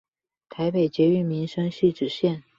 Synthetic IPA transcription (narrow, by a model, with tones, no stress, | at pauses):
t̪ʰa˧˥ɪpe˨˩ɪt͡ɕjɛ˧˥y˧˥˩mi˧˥nʂə˥ŋɕy˥˩ʈ͡ʂɻ̩˨˩ɕjɛ˥˩n